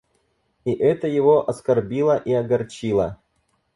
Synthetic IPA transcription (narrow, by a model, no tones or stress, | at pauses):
iʔɛt̪əjɪvoʔɐskɐrbʲilˠəʔiɐɡɐrt͡ɕilˠə